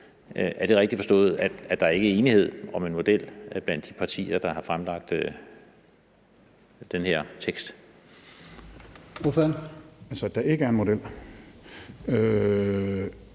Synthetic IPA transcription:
ʔæɐd̥e̝ʁɛɡ̥d̥ifɒ̽sd̥ɔ̰̽ːð̩ˠæ̥æd̥ɑ̈æɐe̝ɡ̥əe̝ːnihe̝ð̞̰ˠɒ̽me̝nmo̝d̥el̰b̥læn̰d̥ːipʰɑ̈t͡sʰḭːɐd̥ɑ̈hɑ̈fʁamlɑ̈ɡ̥̚d̥ø | d̥enheɐ̰t͡sʰeɡ̥sd̥ | ofænælsəd̥ɑ̈e̝ɡ̥əæɐenmo̝d̥el̰ | ø

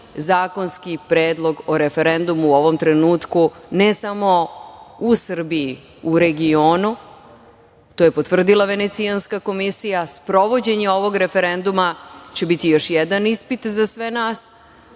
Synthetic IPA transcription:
zaːko̞nskipɾeːd̪lˠo̞ɡo̞ɾe̞fe̞ɾe̞nd̪umuːo̞ʋo̞mt̪ɾe̞nuːt̪kunesamo̞usr̩biji | uɾe̞ɡio̞ːnu | t̪ojepot̪ʋr̩d̪ilˠaʋe̞ne̞t̪sianskako̞misijaspɾo̞ʋo̞d͡ʑe̞ɲeo̞ʋo̞ɡɾe̞fe̞ɾend̪umat͡ɕe̞bit̪ijo̞ʃjɛd̪anispit̪zasʋenaːs

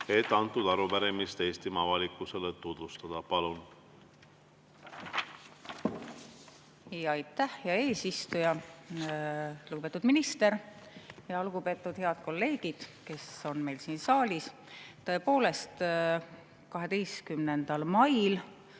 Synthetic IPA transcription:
e̞t̪ːˑɑnt̪ːˑud̪̥ɑɾupæɾemist̪eːst̪imɑvɑlikːˑuselet̪ːud̪̥vust̪ɑd̪̥ɑpɑlun | jɑɑjt̪ːˑæhjɑe̞ːsist̪ujɑ | luɡub̥et̪ːud̪̥minist̪e̞ɾjɑɑlɡ̥upe̞ːt̪ːˑud̪̥he̞ɑd̪̥̚ko̞lːe̞ːɡ̥id̪̥ke̞so̞nme̞jlsiːnsɑːlʲis | t̪ɤ̞e̞po̞ːle̞st̪ | kɑɦe̞d̪e̞jskymne̞nd̪̥ɑlmɑjl

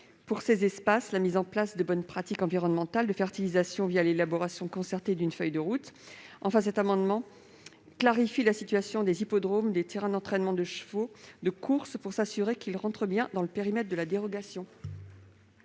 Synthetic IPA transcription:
puʁsezɛspaslamizɑ̃plasd̪əbɔnpχat̪ikɑ̃viʁɔnmɑ̃t̪ald̪əfɛʁt̪ilizasjɔ̃vijalelabɔʁasjɔ̃kɔ̃sɛʁt̪ed̪ynfœjd̪əʁut̪ɑ̃fɛ̃s̬ɛt̪amɑ̃d̪mɑ̃ | klaʁifilasit̪ɥasjɔ̃d̪ezipɔd̪ʁomd̪et̪eʁɛ̃d̪ɑ̃t̪χɛnmɑ̃d̪əʃfod̪əkʰuʁspuʁsasyʁekilʁɑ̃t̪χəbjɛ̃d̪ɑ̃ləpeʁimɛt̪χ̚d̪əlad̪eʁɔɡasjɔ̃

